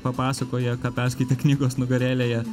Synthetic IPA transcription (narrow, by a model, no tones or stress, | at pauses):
pɐpɑːsɐkoːjɛkɑːpʲæːɾsʲkʲɐɪt̪ʲɛknʲiːɡoːsnʊɡɐɾʲeːlʲeːjɛ